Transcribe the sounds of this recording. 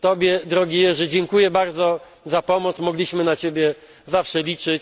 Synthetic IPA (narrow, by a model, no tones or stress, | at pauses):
t̪ɔbʲjɛd̪ɾɔɡʲijɛʐɛd͡ʑɛŋkujɛbaɾd̪zɔ | zapɔmɔt̪smɔɡlʲiɕmɘnat͡ɕebʲjɛ | zafʂɛlʲit͡ʂɘt͡ɕ